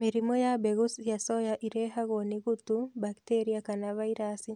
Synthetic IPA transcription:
miɾimɔjabɛɣusjasɔjaʔiɾɛɦaɣoniɣut̪ubaktɛɾiakanavaiɾasi

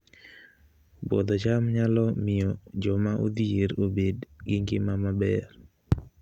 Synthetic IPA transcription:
bo̰d̪ot͡ʃamɲalɔmɪjɔd͡ʒɔmaʔo̰d̪ieɾobedɡɪŋɡɪmamabɛr

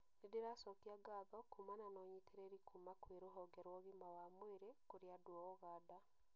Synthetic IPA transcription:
nedeɾasɔtiaɡaðɔkumananɔɲitʰeɾeɾikʰumakweɾoɦɔɡɛɾwɔɣimawamweɾekoɾjadwɔɣɔɣaːda

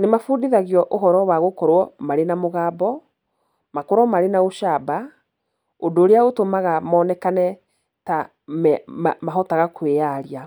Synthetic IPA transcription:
nemafudiðaɣjɔʔoɦɔɾɔwaɣokɔɾwɔmaɾenamoɣaːbɔ | makoɾɔmaɾenaoʃaːba | odoːɾeaotomaɣamɔːnɛkanɛ | ta | mɛmaɦɔtaɣakweaɾia

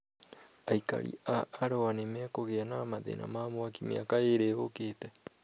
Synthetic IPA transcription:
ajka̰ɾḭaaɾoanemeakoɡeanaːmat̪ḛna̰maːmoakimḛakaeɾehokeːt̪aj

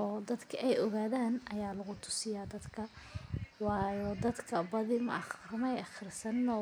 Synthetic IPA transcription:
ʔɔːd̪ɐd̪kʰɐʔɛjɔɣaːðaːnʔɐjaːlɐɣʊt̪ʰʊ̥sɪjaːd̪ɐd̪kʰɐ | wɑːjɔd̪ɐd̪kʰɐbɐðɪmɐ̰ʔɑχrɪmɛjɑχɪrsɐnːɔ

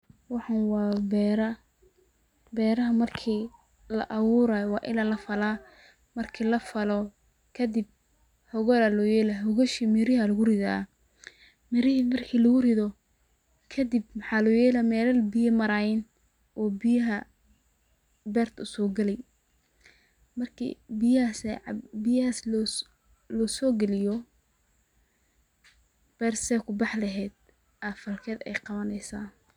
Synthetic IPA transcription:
wɑħɑnwɑːbɛɾɐ | bɛːɾɐɦɐmɐrkʰiː | lɐ̰ʔɐwʊːɾaːjwɑːʔɪ̰laːlɐfɐla | mɐrkʰiːlɐfɐlɔ | kʰɐd̪ɪb̚ | hɔɣɔlalɔːjɛːlaɦɔɣɔʃimɪɾɪhɐlɐɣʊrɪða̰ː | mɪɾɪɦmɐrkʰiːlɐɣʊrɪðɔ | kʰɐd̪ib̚mħɑːlɔːjɛːlamɛːlɐlbɪjɐmɐɾaɪn | ʔɔːbɪjɐɦɐ | bɛːrt̪ʰʊsɔːɡɐlɛj | mɐrkʰḭbɪjasbɪjhas | lɔːsɔːɡɐlɪjɔ | b̥ɛːrsɛːkʰʊbɑħlɐɦɛːd̪̚ | ʔɐfɐlkʰɛːd̪ɛ̰jqɑβɐnɛjsaːn

